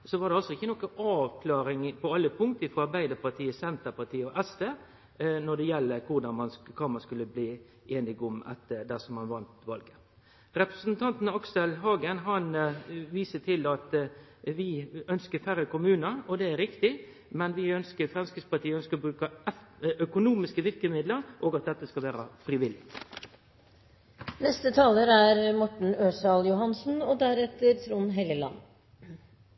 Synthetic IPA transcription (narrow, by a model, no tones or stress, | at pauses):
sɔʋɑɾd̪ɛɑlsɔɪçːənɔkːəɑːʋkʰlɑːɾɪŋpʰɔɑlːəpʰʊŋkt̪əɪfɾɔɑɾbæɪd̪əɾpɑt̪ʰiːəsɛnt̪əɾpɑt̪ʰiːəɔʔɛst̪eː | nɔd̪ɛjɛlːəkʰʊɾd̪ɑnmɑnkʰɑːmɑskʉlːəbliː | eːnɪɡʊmɑ̰t̪d̪æsɔmɑnʋɑnt̪ʋɑlɡə | ɾɛpɾəsnt̪ʰɑnt̪n̩ɑɑksɛlɦɑːɡənɦɑnʋiːsət̪ʰɪlɑt̪ | ʋɪœnskəɾfæɾəkʊmʉːnəɔd̪ɛæɾɪkt̪ɪ | mɛnʋɪœnskəɾfɾɛmskɾɪspɑʈʰiːəœnskəɔbɾʉːkə | œkʊnuːmɪskəʋɪɾkəmɪd̪ləɾʔoːɡɑt̪̚d̪ɛt̪ːəskɑlʋæːɾə̰fɾɪʋɪlɪ̰ | nɛst̪ət̪ʰɑːləɾæɾmɔʈɳ̩øːsɑljʊɦɑnsn̩ɔd̪æɾɛt̪ːəɾt̪ʰɾuːnɦeləlɑ̰nː